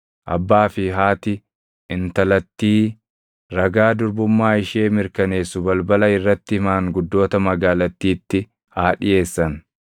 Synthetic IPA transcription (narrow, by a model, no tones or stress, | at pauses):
ʔɐ̰bːaːfɪɦaːt̪ɪ | ɪnt̪ɐlɐt̪ːiː | ɾɐɡaːd̪ʊɾbʊmːaːɪʃeːmɪɾkɐne̞ːsːʊbɐlbɐlɐɪrːɐt̪ːɪɪmaːŋɡʊd̪ːo̞ːt̪ɐmɐɡaːlɐt̪ːiːt̪ːɪ | haːᶑɪʔe̞ːsːɐn